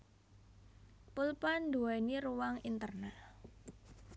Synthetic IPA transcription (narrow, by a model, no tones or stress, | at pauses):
pulpanduainiɾuwaŋint̪ərna